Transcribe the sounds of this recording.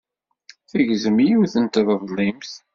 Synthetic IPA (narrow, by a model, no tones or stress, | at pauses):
θəʝzmjuθənt̪ðˤəvlˤimθ